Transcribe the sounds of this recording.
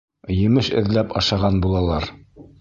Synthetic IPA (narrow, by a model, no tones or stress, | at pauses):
jɘ̆mɘʃɘ̆ðlæpɑʃɑʁɑnbulˠɑlˠɑɾ